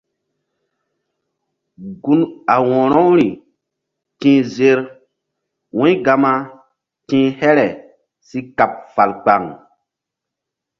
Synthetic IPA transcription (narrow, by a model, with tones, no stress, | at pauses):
ɡu˦na˨wɔ̃˨ɾɔ̃˦wɾi˨ | tĩː˦ze˦ɾ | wũ˦ɡa˨ma˦ | tĩ˦hɛ˦ɾɛ˨ | si˦ka˨p̚fa˨lk͡pa˨ŋ